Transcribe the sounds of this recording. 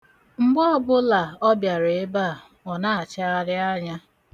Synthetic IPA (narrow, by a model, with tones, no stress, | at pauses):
ŋ͡m̩˦ɡ͡bɔ˦˨bʊ˦la˨ɔ˦bja˨ɾe˨e˦ba˦˨ | ɔ˨na˦a˨t͡ʃa˦a˦ɾɪ˦a˦ɲa˦